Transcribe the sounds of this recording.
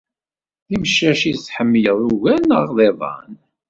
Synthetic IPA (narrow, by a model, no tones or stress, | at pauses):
ðimʃæʃisħəmːjəðˤuɣænəʁðˤeðˤɑ̰n